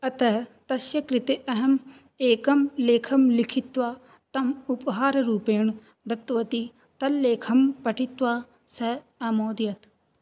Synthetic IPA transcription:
ɐt̪ɐɦt̪ɐʃjɐkɾit̪eʔɐɦɐm | eːkɐmleːkʰɐmlikʰit̪ʋaː | t̪ɐmupɦaːɾɐɾuːpeːɳu | d̪ɐt̪ːʋɐt̪i | t̪ɐlːeːkʰɐmpɐʈʰit̪ʋaː | sɐ | ɐmoːd̪jɐt̪

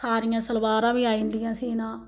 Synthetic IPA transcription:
aːɾɪjãːsəlʋaːɾãːʋiːaːĩːnd̪ɪjãːseːnãː

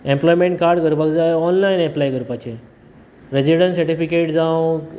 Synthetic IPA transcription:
ẽmplɔjmẽɳʈ̚kaɾɖɡʱəɾupakd͡zaɔnlaineplajɡəɾupat͡ɕe | ɾed͡ʑiɽə̃nsəɾʈifikeʈd͡zãw

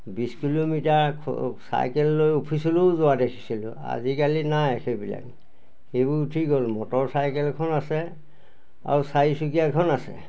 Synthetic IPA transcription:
biskilomitaɹkʰsa̰jkɛlːojopʰisɔlowzʊwadekʰi̥silʊ | a̰zikalinajekʰɛbila̰k̚ | ebutʰikɦolmɔtɔɹsajkɛlkʰɔnasɛ | a̰ɹusaisukiakʰɔnasɛ̰

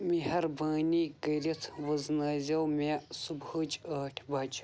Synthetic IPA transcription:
miɦɐɾbaːniːɡɐɾit̪ʰʋɐznaːzʲɐwmesubhəd͡ʒɐːʈʲʰbɐd͡ʒ

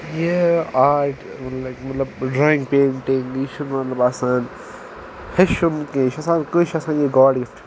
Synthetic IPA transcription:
jeaːɾʈ | mɐtlɐkmɐt̪lɐbɖɾaːɪ̃ŋɡpẽːɳʈĩŋliːʃunmɐt̪lɐbɐsãːn | heʃumkẽːʃɐsãːnkoʃɐsãːnjeɡaːɾɖɡɪfʈ

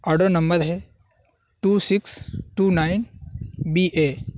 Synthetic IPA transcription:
ɐɖonɐmbəd̪ɦe | ʈuːsɪksʈuːnaɪnbiːʔeː

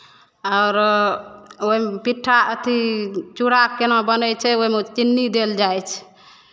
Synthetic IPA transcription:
ɔʊɾ | oɦimpiʈʰːaət̪ʰit͡ʃuɽakkenabənət͡ʃʰɛoɦimet͡ʃinːid̪eld͡ʒajt͡ʃʰɛ̥

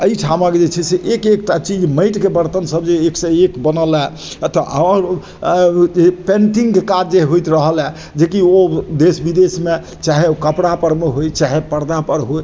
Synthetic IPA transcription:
əiʈʰamaked͡ʒet͡ʃʰɛseʔekekʈat͡ʃid͡ʒməɪʈkebəɾt̪ənsəbd͡ʒeekseekbənəlɛ | ət̪ʰəaɾ | d͡ʒepeɳʈĩŋɡkekad͡ʒd͡ʒeɦɦojt̪ɾəɦəlɛ | d͡ʒekiod̪esbid̪esme | t͡ʃaɦeokəpɽapəɾmeɦojt͡ʃaɦepəɾd̪apəɾɦoj

